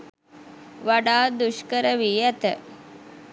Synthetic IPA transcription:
ʋaɖaːd̪uʃkəɾəʋiːæt̪ə̰

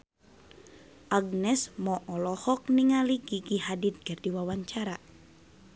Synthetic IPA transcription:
ʔaɡ̚nɛsmɔʔɔlɔhɔk̚niŋaliɡiɡiɦadit̪̚ɡ̥ardiwawaɲt͡ʃaɾa

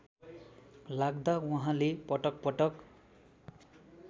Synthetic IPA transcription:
laɡd̪awʌɦãlepʌʈʌk̚pʌʈʌk

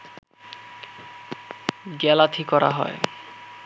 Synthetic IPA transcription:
ɡɛlat̪ʰikɔɾa̰ɦɔ̰e

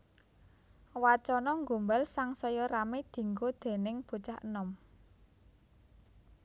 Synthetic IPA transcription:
wat͡ʃɔnɔŋɡṳmbalsaŋsɔjɔɾamed̪̥i̤ŋɡod̪̥e̤nɪŋb̥o̤t͡ʃahənɔm

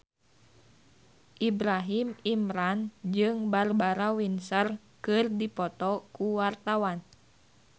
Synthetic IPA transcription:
ʔibɾaɦimimɾand͡ʒɨŋbarbaɾawinsər | kɨrdipɔt̪ɔkuwart̪awan

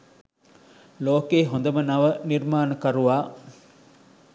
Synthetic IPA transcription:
loːkeːɦond̪ɐmɐnɐʋɐniɾmaːnɐkɐɾuʋaː

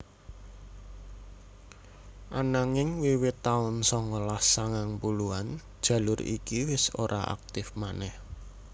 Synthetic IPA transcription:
ʔanaŋɪŋwiwɪt̪aʊnsɔŋɔlahsaŋaŋpuluand̥ʒ̥ä̤lʊɾḭkiwɪso̰ɾʔaa̰k̚t̪ɪfmanɛh

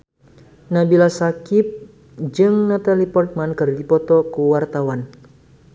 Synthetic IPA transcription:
nabilasakip̚ | d͡ʒɨŋnat̪alipɔrt̪̚mankɨrdipɔt̪ɔkuwart̪awan

